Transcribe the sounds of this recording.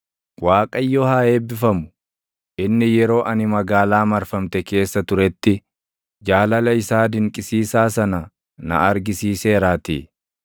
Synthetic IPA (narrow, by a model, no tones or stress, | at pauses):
waːkʼɐjːɔhaːe̞ːbɪfɐmʊ̥ | ʔɪnːɪjɛɾo̞ːʔɐnɪmɐɡaːlaːmɐɾfɐmt̪ɛke̞ːsːɐt̪ʊɾɛt̪ːɪ | d͡ʒaːlɐlɐɪsaːd̪ɪŋkʼɪsiːsaːsɐnɐ | nɐ̰ɐɾɡɪsiːse̞ːɾaːt̪ḭː